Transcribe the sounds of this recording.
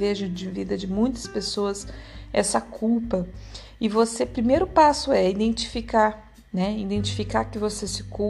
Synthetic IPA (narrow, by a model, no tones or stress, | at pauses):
veʒʊd͡ʒɪvid̪ɐd͡ʒɪmũj̃t̪ɐ̥spesoɐsɛsɐkʰuwpɐ | ɪvosepɾimejɾʊpasʊɛid̪ẽnt͡ʃi̥fikaɾ | nɛid̪ẽnt͡ʃi̥fikaɾkɪvosesɪ̥ku